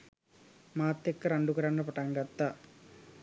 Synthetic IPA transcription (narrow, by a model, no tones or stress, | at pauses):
maːt̪ːekːɐɾɐɳɖukɐɾaɳɖɐpɐʈaŋɡɐt̪ːɐ